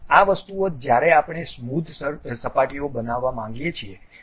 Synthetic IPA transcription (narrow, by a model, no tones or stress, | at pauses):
aʋəst̪uod͡ʒjaɾɛapɳ̃esmud̪ʱsəpaʈiobənaʋːamãŋɡjet͡ʃʰie